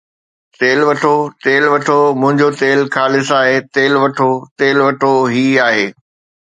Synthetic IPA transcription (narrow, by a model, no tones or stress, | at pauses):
t̪eːlʋɐʈʰot̪eːlʋɐʈʰomʊ̃ɦɪ̃ɲd͡ʑot̪eːlkaːlɪsaːɦet̪eːlʋɐʈʰot̪eːlʋɐʈʰoɦiːaːɦeː